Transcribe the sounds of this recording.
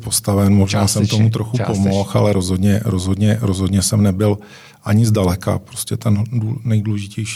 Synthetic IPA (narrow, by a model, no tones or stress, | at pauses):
po̞st̪avɛnmo̞ʒnaːsɛmt̪o̞mut̪ɾo̞xupomoxa̰lɛɾo̞zɦodɲɛɾo̞zɦo̞dɲɛɾo̞zɦo̞dɲɛsɛmnɛbɪl | ʔaɲɪzdalɛka̰pɾoscɛt̪ɛndunɛjduːlɛʒɪcɛjʃ